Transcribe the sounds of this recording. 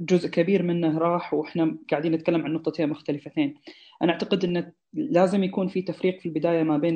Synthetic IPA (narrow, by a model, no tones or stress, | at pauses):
d͡ʒʊzʔkabiːɾmɪnːaɾˤɑːħwʔɪħnaɡaʕd̪iːnːɪt̪̚kalːamʕanːʊq̚t̪ˤɑt̪emʊxt̪alɪfat̪eːn | ʔanaʔaʕt̪aqɪd̪ʔɪnːa | laːzɪmjakuːnfit̪afɾiːqfilbɪd̪aːjamabeːn